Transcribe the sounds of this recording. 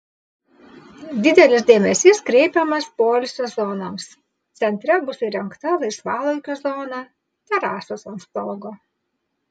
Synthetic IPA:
d̪ʲɪd̪ʲɛlʲɪs̬d̪ʲeːmʲɛsʲɪskɾʲɛɪpʲɛmɐspoːlʲʊsʲɛzɔnoːms | t̪sʲɛnʲt̪ʲɾʲɛbʊsɪɾʲɛŋkt̪ɐlˠɐɪsʋɑːlˠɐɪkʲoːzɔːnɑ | t̪ʲɛɾɑːsoːsɐnsp̪oɡoː

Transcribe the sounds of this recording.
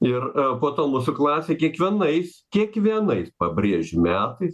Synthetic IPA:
ɪrpoːt̪oːmuːsʊklˠɑːsʲeːkʲiɛkʋʲiɛnɐɪskʲiɛkʋʲiɛnɐɪspɐbʲrʲiːʒʲɪmʲæːt̪ɐɪs

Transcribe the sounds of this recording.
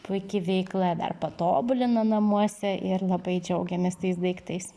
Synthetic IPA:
pʊɪkʲɪʋʲɛɪklˠɐd̪ɐ̰rpɐt̪oːbʊlʲɪnɐnɐmuɔsʲɛʔɪɾlˠɐbɐɪd͡ʒʲɛʊɡʲɛmʲɪst̪ɐɪs̬d̪ɐɪkt̪ɐɪs

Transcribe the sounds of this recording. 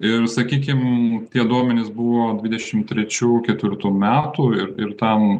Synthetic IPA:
ɪɾsɐkʲiːkʲɪmt̪ʲiɛd̪uɔmʲɛnʲɪsbuʋoːd̪ʲʋʲɪd̪ʲɛʃʲɪmt̪ʲɾʲɛt͡ʃʲuːkʲɛt̪ʲʋʲɪɾt̪uːmʲæːt̪uːɪɾɪɾt̪ɛn

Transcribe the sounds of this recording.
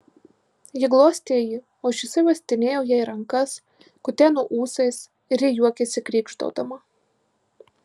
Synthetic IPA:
jɪɡlˠoːsʲt̪ʲiɛji | ɔːʃʲɪsɐɪʋɐsʲt̪ʲɪnʲeːjɛʊjɛjɾɐŋkɐs | kʊt̪ʲænuʔuːsɐjs | ɪɾʲjʲɛjuɔkʲɛsʲɪkɾʲiːkʃt̪o̰ːt̪ɐmɐ

